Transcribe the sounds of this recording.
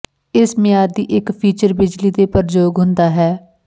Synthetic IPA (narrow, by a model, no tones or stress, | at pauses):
ɪsmɪjaːɾd̪iːʔɪkpʰiːt͡ʃəɾbɪd͡ʒliːd̪eːpəɾd͡ʒoːɡɦʊnd̪aːɦɛː